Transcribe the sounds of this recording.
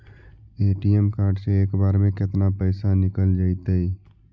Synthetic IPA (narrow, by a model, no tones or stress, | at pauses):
eːʈiemkaːɾɖseeːkbaːɾmẽkɪt̪napəːsanɪkəld͡ʒaːɪt̪ei